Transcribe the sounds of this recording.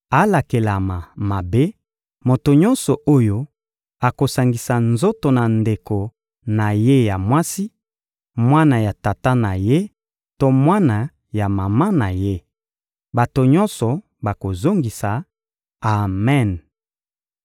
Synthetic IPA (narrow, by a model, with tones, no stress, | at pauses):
a˨la˨ke˨la˨ma˨ma˨be˦ | mo˨to˨ɲɔ˦nsɔ˨ʔo˦jo˦ | a˨ko˨sa˨ŋɡi˨sa˨nzo˦to˨na˨nde˨ko˨ | na˨je˦ja˨mwa˦si˦ | mwa˦na˨ja˨ta˨ta˦na˨je˦ | to˦mwa˦na˨ | ja˨ma˨ma˦na˨je˦ | ba˨to˨ɲɔ˦nsɔ˨ | ba˨ko˨zo˦ŋɡi˨sa˨ | a˨mɛ˦˨n